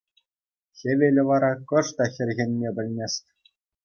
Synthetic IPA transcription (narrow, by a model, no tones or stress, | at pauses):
xʲeʋʲelʲɘ̆ʋɑɾɑkɤ̆ʂt̪ɑxʲɘ̆rʲɣʲĕnʲmʲebʲɘ̆lʲnʲesʲtʲ